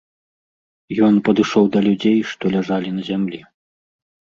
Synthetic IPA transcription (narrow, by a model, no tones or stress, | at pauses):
jɔnpɐd̪ɨʂɔwd̪ɐlʲud͡zʲejʂt̪ɔlʲaʐalʲinɐzʲamlʲi